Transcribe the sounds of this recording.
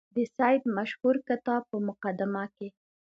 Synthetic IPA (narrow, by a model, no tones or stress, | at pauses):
d̪əsɑjd̪maʃhuɾkat̪ɑpəmʊqad̪ɪmake